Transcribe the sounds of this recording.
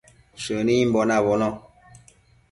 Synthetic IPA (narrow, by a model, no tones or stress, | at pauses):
ʃənim̩bɔnaβɔnɔ